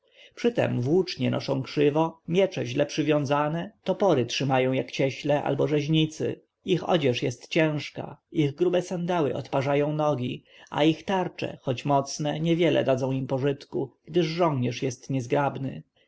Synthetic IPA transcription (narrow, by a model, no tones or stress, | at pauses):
pʂɘt̪ɛ̰mvwut͡ʂɲɛnɔ̰ʂɔ̃w̃kʂɘvɔmʲjɛt͡ʂɛʑlɛpʂɘvʲjɔ̃w̃zanɛt̪ɔpɔɾɘtʂɘmajɔ̃w̃jakt͡ɕɛɕlɛʔa̰lbɔʐɛʑɲit̪sɘ̰ | ixɔ̰d͡ʑɛʂjɛst̪t͡ɕɛ̃w̃ʂka̰iɣɡɾubɛsɛnd̪ɛwɘ̰ɔ̰t̪paʐajɔ̃w̃nɔɡʲi | a̰ixt̪aɾt͡ʂɛ̰xɔt͡ɕmɔt̪snɛɲɛvʲjɛlɛ̰d̪ad̪zɔ̃w̃impɔʐɘt̪kuɡ̥d̪ɘʐːɔ̃ŋɲɛʂjɛst̪ɲɛzɡɾabnɘ̰